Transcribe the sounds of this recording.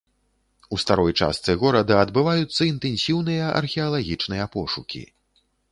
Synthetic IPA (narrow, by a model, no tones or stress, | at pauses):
ust̪aɾɔjt͡ʂa̰st̪sɨɣɔɾɐd̪ɐːd̪bɨvajut̪sːɐint̪ɛnsʲiwnɨjɐʔɐ̰rxʲɛɐlˠaɣʲit͡ʂnɨjɐpɔʂukʲḭ